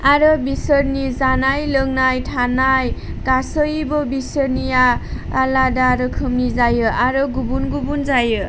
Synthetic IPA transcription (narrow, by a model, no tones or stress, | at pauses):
aɾʌbisʌɾnizanajlʌŋnajtʰanaj | kasʌjbʌbisʌɾnijaː | ladaɾʌkʰɯmnizajɯʔaɾɯɡubunɡubunzajɯ